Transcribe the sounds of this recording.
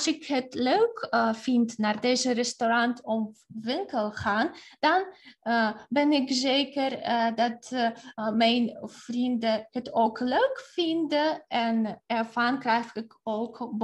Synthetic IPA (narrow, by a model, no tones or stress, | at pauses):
sɪkɦətløɥkfɪntnaːrdejzərɛstorɑntɔmʋɪŋkəlˠχaːnd̥ɑn | bɛnɪkzeːkərdɑt | mɛjnv̥rindəkɦətowkløɥkfɪndəɛnɛrvɑnkrɛjχɪkowkb